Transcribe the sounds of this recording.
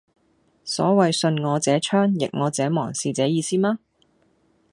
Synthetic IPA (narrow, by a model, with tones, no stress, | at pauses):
sɔ̰ː˨˥wɐ˨jsɵ˧nŋɔː˨˧t͡sɛː˨˥t͡ʃʰœː˥ŋjɪ̰˨k̚ŋɔː˨˧t͡sɛː˨˥mɔː˨˩ŋsiː˨˧t͡sɛː˨˥jiː˨˧siː˥maː˥